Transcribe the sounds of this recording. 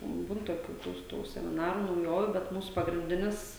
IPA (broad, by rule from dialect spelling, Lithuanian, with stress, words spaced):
ˈbuːn toːˈkʲuː ˈtuː ˈtuː sʲɛmʲɪˈnɑːruː nɐʊˈjoːʋʲuː bʲɛt ˈmuːsʊ pɐɡrʲɪnʲˈdʲɪnʲɪs